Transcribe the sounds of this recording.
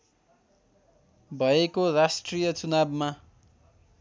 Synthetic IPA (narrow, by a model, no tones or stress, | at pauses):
bʱʌekorasʈrijʌt͡sunabma